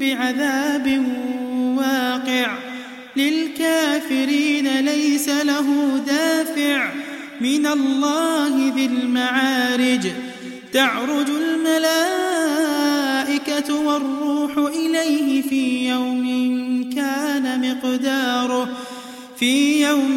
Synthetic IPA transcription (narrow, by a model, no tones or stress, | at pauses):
bɪʕaðaːbɪnwaːqɪʕ | lɪlkaːfɪɾiːnalajsalaɦʊd̪aːfɪʕ | mɪnalˤːɑːɦɪðɪlmaʕaːɾɪd͡ʒ | t̪aʕɾˤʊd͡ʒʊlmalaː | ʔɪkat̪wɑrːuːħʊʔɪlajɦɪfiːjawmɪnkaːnamɪqd̪ɑːɾˤʊ | fiːjaw